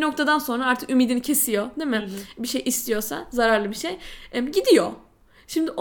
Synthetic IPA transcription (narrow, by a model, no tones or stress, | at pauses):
ino̞k̚t̪ʰad̪anso̞nɾaaɾt̪ʰɯ̥kymiːd̪inicʰe̞sijo̞d̪emɪbiʃe̞jʔist̪ʰijo̞sa̰zaɾaɾlˠɯbiʃejɛmɟid̪ijo̞ | ʃimd̪ɪʔo